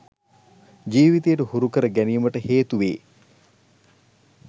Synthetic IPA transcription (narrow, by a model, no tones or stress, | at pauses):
d͡ʒiːʋit̪ejəʈəhuɾukəɾəɡæniːməʈəheːt̪uʋeː